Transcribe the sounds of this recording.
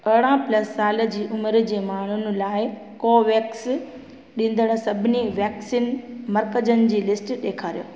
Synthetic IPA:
ɐɽãplɐsːaːlə̆d͡ʑiːʔʊmɾ̆d͡ʑeːmaːɳ̤ʊn̆laːɪ | koːʋeːks | ɗĩːn̆d̪əɽ̃̆sɐbʱɪniʋɛːksiːnmɐɾkəd͡ʑənɪ̆d͡ʑiːlɪsʈɗeːkʰaːɾijo̰ː

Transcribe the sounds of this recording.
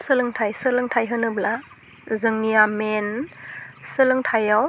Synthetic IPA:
sɯlɯŋtʰajsɯlɯŋtʰajɦɯnɯbla | zɯŋijamen | sɯlɯŋtʰajaw

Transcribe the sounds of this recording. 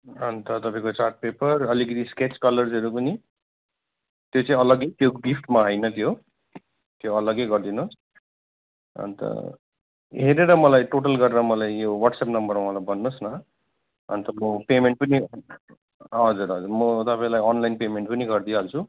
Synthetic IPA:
ɦʌnt̪ʌt̪ʌpãĩkot͡sarʈ̚pepʌrʌlikʌt̪isket͡skʌlʌrzɦʌɾupʌni | t̪jot͡sãĩʌlʌɡet̪joɡipʰʈmaɦʌjnʌt̪ʰjo | t̪joʌlʌɡejɡʌrd̪inos | ʌ̰nt̪ʌ̰ | ɦeɾeɾʌmʌlajʈoʈ̬ʌlɡʌɾeɾʌmʌlajjowʌʈsapnʌmbʌrmaʌ̃lajbʌnːosnʌ | ʌ̰nt̪ʌmʌpemeɳʈ̚pʌni | ɦʌd͡zuɾɦʌd͡zuɾmʌt̪ʌpaĩlajʌnlajnpemeɳʈpʌniɡʌrd̪iɦalt͡sʰu

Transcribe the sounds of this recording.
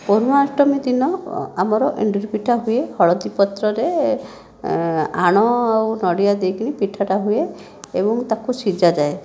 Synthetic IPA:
pɔɾumɔasʈɔmid̪inɔamɔɾɔʔḭɳɖiɾpiʈʰaɦuehɔɭɔd̪ipɔt̪ɾɔɾe | aɽ̃ɔawnɔɽijad̪ejkinipiʈʰaʈaɦue | ḛbɔŋt̪akusid͡ʒad͡ʒae

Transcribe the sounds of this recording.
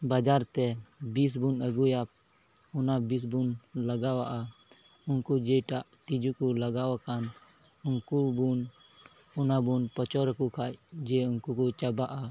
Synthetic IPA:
bad͡ʒaɾt̪ɛbis̬bunəɡujap̚ | ɔnabis̬bunlaɡawaʔa | uŋkud͡ʒɛjʈaʔt̪id͡ʒukulaɡawakan | unkubun | ɔnabunpɔt͡ʃɔɾəkukʰajd͡ʒɛunkukut͡ʃabaʔa

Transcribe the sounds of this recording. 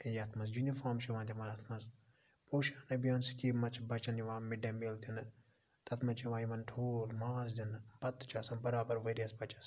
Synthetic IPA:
kɐjɐt̪ʰmɐs̬junifaːmʃiʋãːnd̪ʰʲimɐnɐt̪ʰmɐs | poːʃaːnɐbijaːnskiːmɐt͡ʃʰbɐt͡ʃɐnjiʋãːmiɖɐmiːld̪ʲinɨ | t̪ɐt̪ʰmɐt͡ʃʰiʋãːjiʋɐnʈʰoːlmaːzd̪ʲinbɐt̪ːt͡ʃʰaːsɐnbɐɾaːbɐɾʋɐɾijɐsbɐt͡ʃɐ̥s

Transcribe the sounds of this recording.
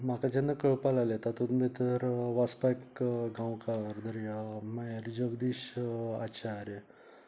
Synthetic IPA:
makad͡ʑend̪akəɭpalalet̪at̪ut̪mit̪əɾʋaspajkɡãwkaəɾd̪əɾimajɾid͡ʑoɡd̪iɕaɕʰaːɾe

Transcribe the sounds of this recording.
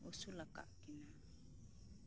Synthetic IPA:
osulaka̰ʔkɪna

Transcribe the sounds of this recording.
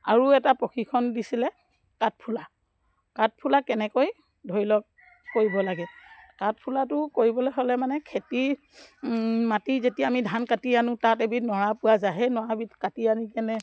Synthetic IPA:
a̰ɹuɛtapɔkʰikʰɔndisilɛ | kat̚pʰula | kat̚pʰulakɛnɛkoj | dʱoɹilɔk̚ː | oɹibɔlaɡɛkat̚pʰulatʊkoɹibɔlɛɦolɛmanɛkʰeti | matizetijaamidʱankatianʊ̃tatebitnɔɹapʊwazaɦɛnɔwabitkatianikɛnɛ

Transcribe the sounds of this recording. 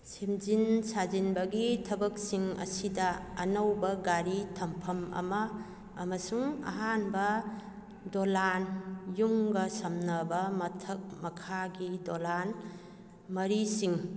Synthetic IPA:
simd͡ʒinsazinbɐɡitʰɐbɐk̚siŋɐ̰sidɐːnɐwbɐɡaɾitʰɐmpʰɐmɐ̰mɐː | mɐsuŋɐ̰ɦanbɐ | dolanjuŋɡɐsɐmnɐbɐmɐtʰɐk̚mɐkʰaɡidolan | mɐɾisiŋ

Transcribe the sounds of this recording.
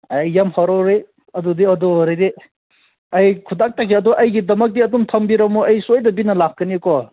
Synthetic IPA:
ajːamhɔɾɔɾe | ɐdudiɐdɔɾejde | ɐjkʰudak̚takʰiɐdɔʔɐjɡidɐmɐk̚diɐdumtʰɐmbiɾɐmuɐjsojdɐbinɐlakːɐnikɔ

